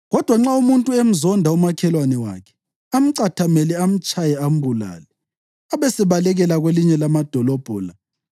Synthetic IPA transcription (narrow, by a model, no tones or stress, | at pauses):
ɣɔd̥ʱwaŋ͡ǁaumuntʼuem̩zɔndʱaumakʰɛlwanɛwa̰kʰɛ̥ | am̩ǀatʰamɛlɛam̩t͡ʃʼʰajɛam̩bula̰ːlɛ | aβesɛβalɛɣɛlaɣweliɲɛlamad̥ʱɔlɔb̥ʱɔːla